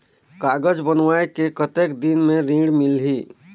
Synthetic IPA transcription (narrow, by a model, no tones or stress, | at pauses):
kaɡəd͡ʒbənʋaekekət̪ekd̪inmeɾĩɽmilɦi